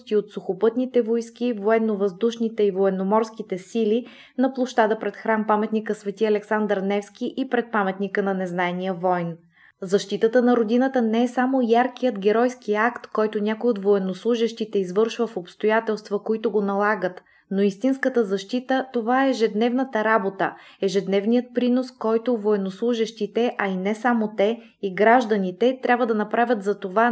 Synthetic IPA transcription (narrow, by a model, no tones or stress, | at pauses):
st̪iot̪sʊxopɤt̪nit̪ɛvojsk̟ivoɛnːovɐzd̪uʃnit̪ɛivoɛnːomɔɾskit̪ɛsili | nɐplˠoʃt̪ad̪əpɾɛt̪xɾampamɛt̪nikəsvɛt̪iɐlɛksand̪əɾnɛfsk̟iʔipɾɛt̪̚pamɛt̪nikənɐnɛznaɛnijəvɔjn | zɐʃt̪it̪ət̪ənɐɾod̪inət̪ənɛɛsamojaɾk̟ijət̪ɡʲɛɾɔjskiakt̪kɔjt̪onʲakojot̪voɛnoslˠuʒɛʃt̪it̪ɛizvɤɾʃvəfopst̪ojat̪ɛlˠst̪vɐkoit̪oɡonɐlˠaɡət̪ | noist̪inskət̪əzɐʃt̪it̪ət̪ovaɛːʒɛd̪nɛvnət̪əɾabot̪əɛʒɛd̪nɛvnijət̪̚pɾinoskɔjt̪ovoɛnoslˠuʒɛʃt̪it̪ɛʔɐinɛsamot̪ɛ | iɡɾaʒd̪ənit̪ɛt̪ɾʲʔabvəd̪ɐnɐpɾavʲət̪zɐt̪ova